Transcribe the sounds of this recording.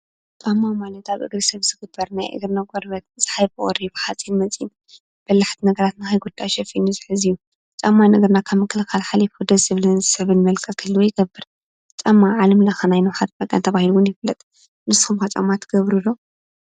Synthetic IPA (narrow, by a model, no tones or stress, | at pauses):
t͡ʃʼamːamalɐt̪aβʔɨ̰ɡɾisɐβzɨɡɨbɐɾnajʔɨ̰ɡɾnakʼɔɾbɐt̪̚ɨz̥ɨ̥ħajbɨʔʼɔɾibħat͡sʼinmɐt͡sʼin | b̥ɐlaħt̪ʰinɐɡɐɾat̪nɨxajɡud̪̥ajʃɛfinuzɨħɨziju | t͡ʃʼamːanɐɡɐɾnakʰaβmɨkʰːɨlɨxalħalifod̪ɐzɨβlɨnzsɐβɨnmɐlkʼʰɐk̪ʰɨlːuwojɪɡɐbːɨɾ | t͡ʃʼamːaʕalɐmlɐxɐnajnuħat̪̚bʼɐkʼɐ̰nt̪ʰɐβahiluwɨnjɪflːɐt̪ʼ | mɨsɨ̥xumkɐt͡ʃʼa̰mːat̪ʰɡ̥ɐβɾulo